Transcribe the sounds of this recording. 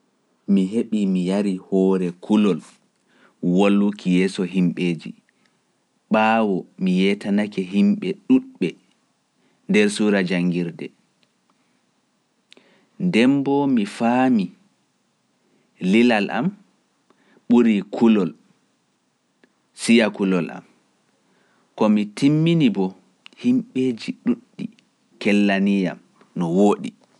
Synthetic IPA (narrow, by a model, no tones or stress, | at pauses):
miɦeɓimijaɾihɔːɾɛkʰulɔl | wolːukʰijɛːsɔɦimɓeːd͡ʒḭ | ɓaːwɔmijɛtanakɛɦimɓɛɗuɗɓɛ | ndɛɾsuɾad͡ʒaŋɡiɾdɛ | ndɛmbɔmifaːmi | lilalʔa̰m | ɓuɾikʰulɔl | sijakulɔla̰m | kɔmitimːinibɔ | himɓed͡ʒiɗuɗːi | kɛlːanija̰m | nɔwoːɗḭ